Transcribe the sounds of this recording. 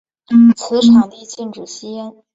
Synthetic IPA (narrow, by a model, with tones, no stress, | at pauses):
n̩˥˩t͡s̩ʰ˧˥ʈ͡ʂʰa˨˩ŋd̪ə˧i˧˥t͡ɕi˥˩nʈ͡ʂu˨˩ɕi˥a˥